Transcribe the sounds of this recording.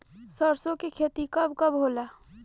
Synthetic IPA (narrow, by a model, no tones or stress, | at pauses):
səɾsõkekʰeːt̪ikəbkəbɦoːlaː